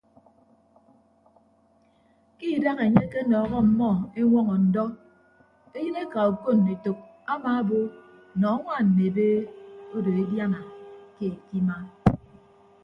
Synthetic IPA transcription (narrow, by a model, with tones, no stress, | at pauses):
ki˦˨da˦ŋe˨ɲe˦ke˦nɔː˨ɣɔ˦m̩˨mɔ˦e˦ŋʷɔ˦ŋɔ˨n̩˨dɔ˦ | e˦jɨ˦ne˦ka˨o˨ko˦˨ne˨to˨k̚ | a˦ma˨a˦bo˦˨ | nɔ˨a˦ŋʷa˦˨n̩˨ne˨be˦o˦do˨e˦dja˦ŋa˨ke˦e˨ki˦ma˦